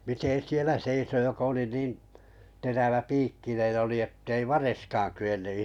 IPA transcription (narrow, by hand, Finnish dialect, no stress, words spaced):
miten sielæ seiso jokɑ̆ oli niːn teræʋæpiːkːinen oli etːei ʋɑreskɑːn kyenːy